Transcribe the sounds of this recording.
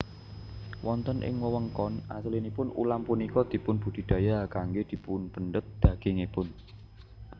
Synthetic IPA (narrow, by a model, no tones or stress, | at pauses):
wɔnt̪ənʔɪ̰ŋwəwəŋkɔnʔasəlinipʊnṵlampunikɔd̪̥i̤pʊnb̥ṳd̪̥i̤d̪̥a̤jakaŋɡed̪̥i̤punb̥ənɖət̪̚d̪̥ä̤ɡ̥eŋepʊn